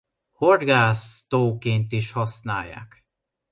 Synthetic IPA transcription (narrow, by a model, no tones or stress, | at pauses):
horɡaːst̪oːkeːnt̪iʃhɒsnaːjːa̰ːk